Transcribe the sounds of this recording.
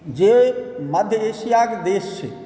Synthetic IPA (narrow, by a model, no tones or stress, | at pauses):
d͡ʒeməd̪ʱjəesijaked̪est͡ʃʰḛ